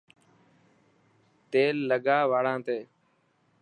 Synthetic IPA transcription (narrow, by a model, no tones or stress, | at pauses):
t̪eːlːəɠaːʋaːɽãːt̪eː